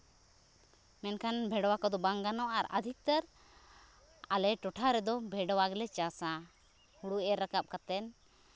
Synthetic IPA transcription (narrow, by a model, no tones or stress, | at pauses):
mɛnkʰanbʱɛɖɔwakɔd̪ɔbaŋɡanɔʔaɾə̰d̪ʱik̚t̪əɾ | alɛʈɔʈʰaɾɛd̪ɔbʱɛɖɔwaɡɛlɛt͡ʃasã | huɽuɛɾəkap̚kat̪ɛn